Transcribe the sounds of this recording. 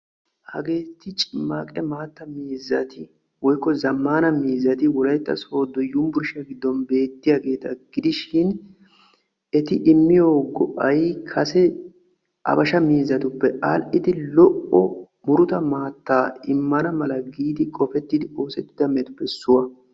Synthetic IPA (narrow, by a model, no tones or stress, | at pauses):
hɐ̰ɡe̞ːt̪ːɪt͡ʃʼɪmːaːkʼɛmaːt̪ːɐmiːzɐt̪ɪ | wɔjkːɔzɐmːaːnɐmiːzɐt̪ɪwɔlɐjt̪ːɐ̰so̞ːd̪ːɔjʊmbʊɾʃɛɡɪd̪ːɔnbe̞ːt̪ːɪjaɡe̞ːt̪ɐɡ̥ɪd̪ɪʃɪn | ɛt̪ɪʔɪmːɪjoːɡɔ̰ʔɐjkʰɐsɛ | ʔɐ̰bɐʃɐmiːzːɐt̪ʊpːɛʔalʔɪd̪ɪlɔʔɔ | mʊɾʊt̪ɐmaːt̪ːaːɪmːɐnɐmɐlɐɡiːd̪ɪkʼɔfɛt̪ːɪd̪ɪo̞ːsɛt̪ːɪd̪ɐmɛt̪ʊ̥pːɛsːʊwɐ